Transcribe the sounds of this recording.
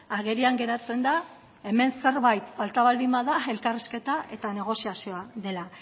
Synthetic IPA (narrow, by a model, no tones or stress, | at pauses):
aɣe̞ɾiaŋɡe̞ɾat͡se̞nd̪a | e̞me̞nse̞ɾβajt̪falt̪aβald̪imaðae̞lkariske̞t̪ae̞t̪ane̞ɣ̞o̞siasioaðe̞la